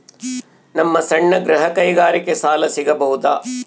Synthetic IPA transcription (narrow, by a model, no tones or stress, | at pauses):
nɐmːɐsɐɳːɐɡɾɐɦɐkɐjɡaːɾikesaːlɐsiɡɐbɐɦud̪aː